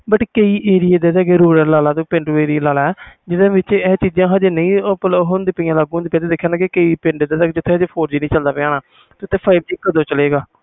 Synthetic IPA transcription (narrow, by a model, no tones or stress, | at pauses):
bəʈkəiːʔeːɾɪjeːd̪eːsɛːɡeːɾuːɾəɾlaːlaːt̪õːpẽːɳɖuːeːɾijlaːlaːɛd͡ʒɪd̪ãːʋɪt͡ʃɛːt͡ʃiːd͡ʒãːɦad͡ʒeːnəĩːpɦond̪iːpiːjãːlaːɡũːnd̪ɪpjãːt̪eːd̪ekʰːjãːnakɪkəiːpɪ̃ɳɖed̪eːsɛkd͡ʒɪt̪ʰːeːɦd͡ʒeːpʰoːɾd͡ʒiːnĩːt͡ʃəld̪aːpɪãːnaː | t̪eʊt̪ʰːeːpʰaːɪb̚t͡ʃiːkːəd̪oːt͡ʃəleːɡaː